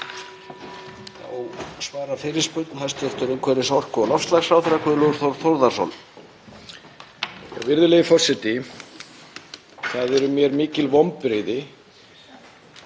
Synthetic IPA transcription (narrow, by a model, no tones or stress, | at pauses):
θa̰wsvaːɾafɪɾɪ̥spʏɾt̪nhḁst̪ʏft̪ʏɾʏmkʰvɛɾɪsɔr̥kʏɔlɔfst̪laɣsfɾawθɛɾakʰɛðɪloɣɾ̥θowɾθowɾðaso̰wl | ɛ̰wvɪɾðʏlejɪfɔsɛt̪ɪ | θaðɛɾʏmjɛɾmiːcɪlvɔwmpɾeːjðɪ